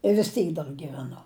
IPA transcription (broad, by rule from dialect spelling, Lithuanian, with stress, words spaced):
ɪ ʋʲɪs ˈtʲiːk dɐr ɡʲiːʋʲɛˈnʊ